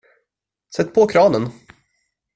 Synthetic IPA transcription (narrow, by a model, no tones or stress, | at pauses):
sɛt̪ːpʰɔkʰɾɑːnən